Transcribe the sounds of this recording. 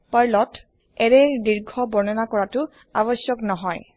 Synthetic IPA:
pajlɔt | ɛɹeɹdiɹɡʱɔbɔɹnɔnakɔɹatʊ | aβɔsjɔknɔɦɔj

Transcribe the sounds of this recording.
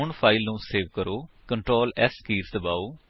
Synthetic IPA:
ʊɳpʰaːɪlnũːseːʋkəɾoː | kəɳʈɾoːlɛːskiːɾsd̪əbaːoː

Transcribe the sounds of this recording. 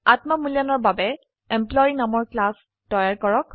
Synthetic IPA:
atmamulijanɔɹbabɛ | ɛmplɔjinamɔɹklas | tɔjaɹkɔɹɔk

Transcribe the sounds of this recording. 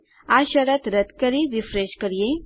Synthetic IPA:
aʃɐɾɐt̪ɾɐt̪kɐɾiɾifɾeʃkəɾije

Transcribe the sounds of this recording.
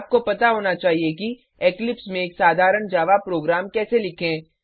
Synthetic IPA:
p̚kopɐt̪aɦoːnat͡ʃaːɦieki | eːklɪpsmẽeːksaːd̪ʱaːɾəɳd͡ʒaːʋapɾoːɡɾaːmkɛːselɪkʰẽː

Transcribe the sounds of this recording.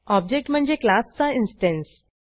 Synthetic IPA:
ɔb̚d͡ʑek̚ʈm̤əɳd͡zeklast͡sainsʈẽns

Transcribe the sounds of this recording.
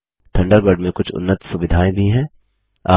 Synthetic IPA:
t̪ʰɐ̃ɳɖəɾbəɾɖmẽkʊt͡ʃʰʊ̰nːət̪sʊʋɪd̪ʱaːẽbʱiɦɛ̃ː | a̰ː

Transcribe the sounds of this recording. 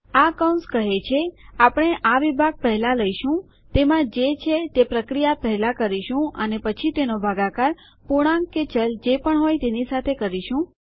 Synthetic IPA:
aəkaw̃nskəɦet͡ʃʰeapɽ̃eʔaʋibʱaɡ̚pəɦlãləiʃũ | t̪emãd͡ʒet͡ʃʰet̪epɾəkɾijapəɦɛlãkəɾiʃũə̰nepət͡ʃʰit̪enobʱaɡakaɾ | puɽ̃ãŋkket͡ʃəld͡ʒepəɳɦojt̪enisat̪ʰekəɾiʃũ

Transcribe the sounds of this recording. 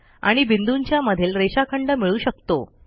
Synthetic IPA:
a̰ɽ̃ibind̪uɲt͡ɕjaməd̪ʱiːlɾeɕakʰəɳɖəmiɭuːɕəkt̪o

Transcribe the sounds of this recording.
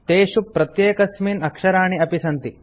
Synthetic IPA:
t̪eːɕupːɾɐt̪jeːkɐsmiːnɐkʂɐɾaːɳ̃iɐpisɐnt̪i

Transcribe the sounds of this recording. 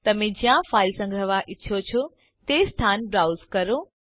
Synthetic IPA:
t̪ɐmẽd͡ʑijãfaːɪlsə̃ŋɡɾəʋaʔɪtːʃʰot͡ɕʰo | t̪est̪ʰanbɾaːwzkɐɾo

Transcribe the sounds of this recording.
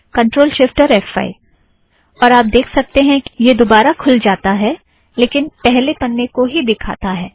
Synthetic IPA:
kɐ̃ɳʈɾoːlʃɪfʈəɾɛfa̰ːḭ | ɔːɾaːp̚d̪eːkʰsɐk̚t̪eɦɛ̃jed̪obaːɾakʰʊld͡ʒaːt̪aɦɛ | leːkɪnpɛɦlepɐnːekoɦid̪ɪkʰa̰ːt̪aɦɛː

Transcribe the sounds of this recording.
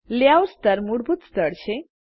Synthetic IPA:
ljawɾst̪əɾmuɽbʱut̪st̪əɽɕʰe

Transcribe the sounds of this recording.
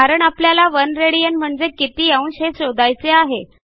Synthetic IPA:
aɾəɳapljalaʋənɾeɽijənm̤əɳd͡zekit̪iːaunɕɦesod̪ajt͡seaɦe

